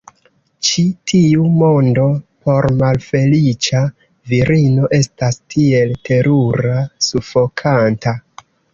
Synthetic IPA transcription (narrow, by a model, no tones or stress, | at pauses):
t͡ʃitʰiumo̞ndo̞po̞ɾmalfe̞lit͡ʃa | viɾino̞ʔe̞stastʰie̞ltʰe̞ɾuɾasufo̞kʰanta